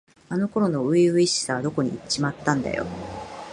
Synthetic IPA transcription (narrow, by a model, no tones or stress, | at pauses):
ano̞ko̞ɾo̞no̞ɯ̟iɯ̟iɕi̥saβad̪oko̞ɲ̟ḭt͡ɕimat̪ːãnd̪a̰jo̞̰